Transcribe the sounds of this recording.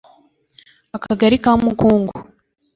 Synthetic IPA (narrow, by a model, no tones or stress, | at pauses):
akaɡaɾikaːmukuːŋɡu